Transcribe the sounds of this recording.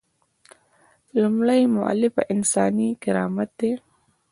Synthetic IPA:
lumɽajmʊʔa̰lɪfa̰ʔɪnsɑːnikɪɾɑːmat̪̚d̪e

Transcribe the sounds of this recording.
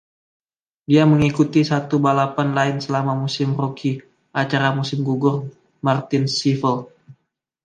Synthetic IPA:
diaməŋikut̪isat̪ubalapanlaɪnsəlamamusɪmrokʰi | ʔat͡ʃaɾamusɪmɡuɡʊr | mart̪ɪnsifəl

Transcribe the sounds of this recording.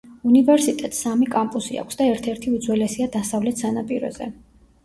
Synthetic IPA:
univɛɾsit̪ʼɛt̪samikʼampʼusia̰kʰʷsd̪aɛɾt̪ʰɛɾt̪ʰiud̪zwɛlɛsiad̪asavlɛt̪ʰsanapʼiɾɔ̰zɛ̰

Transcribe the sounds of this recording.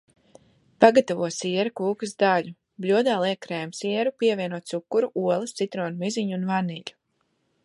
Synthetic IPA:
paɡat̪avuɔsʲiɛɾukuːkɨzd̪aʎu | blʲuɔd̪aːlˠiɛkɾɛːjmsiɛɾupʲiɛvʲiɛnuɔt̪sukːuɾuʔuɔlˠɨst̪sit̪ɾoːnumiziɲunvaniʎʲu̥

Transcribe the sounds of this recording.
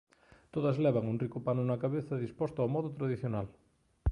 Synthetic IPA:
t̪oðɐzlɛβ̞aŋunrikʊpanʊnɐkaβeθɐðispɔst̪ʊawmɔðʊt̪ɾaðiθjonal

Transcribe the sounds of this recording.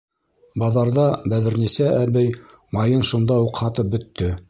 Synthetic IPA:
bɑðɑɾðɑbæðɘ̆ɾnisæʔæβæj | mɑjɤnʃund̪ɑuqhɑt̪ɤp̚bɵ̆t̪ːɵ

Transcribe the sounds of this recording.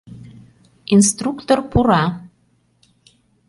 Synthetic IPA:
inst̪rukt̪orpuɾɑ

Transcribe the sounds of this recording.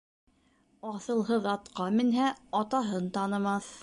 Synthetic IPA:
ɑθɤ̆lˠɦɤðɑt̪qɑmɘ̆nɦæɑt̪ɑɦɤnt̪ɑnɤ̆mɑθ

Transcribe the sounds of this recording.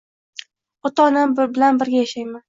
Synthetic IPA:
ɒt̪ʰɒːnambɪlanbɪɾɡʲajaʃajman

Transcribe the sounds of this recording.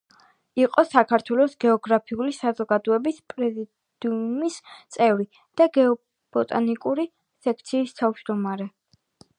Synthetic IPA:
iqʼɔsakʰaɾt̪ʰwɛlˠɔsɡ̥ɛɔɡɾapʰiulisazɔɡad̪ɔɛbispʼɾɛzi | d̪̥umist̪sʼɛvɾi | d̪̥aɡɛɔ | b̥ɔt̪ʼanikʼuɾi | sɛk̚ʰt̪sʰiːst̪ʰavd͡ʒd̪ɔmaɾɛ

